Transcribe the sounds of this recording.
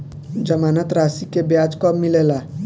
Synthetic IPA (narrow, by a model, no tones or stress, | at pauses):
d͡ʒəmaːnət̪ɾasikebjad͡ʒkɔmːilela